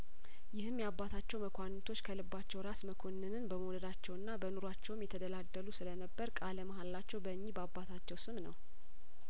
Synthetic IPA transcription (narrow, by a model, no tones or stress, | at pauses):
jɪhɨmːjabːat̪ʰat͡ʃːɛwməkʷʰanːɨt̪ʰo̞t͡ʃːkʰəlɨbːat͡ʃːɛwɾasməkʰo̞nːɨnɨnbəməwləd̪at͡ʃːɛwɨnːabənuɾwat͡ʃːɛwmjɛt̪ʰəd̪əlad̪ːəlusɨlənəbːəɾkʼaləmaɦalːat͡ʃːɛwbəɨɲːibəabːat̪ʰat͡ʃːɛwsɨmnə̰w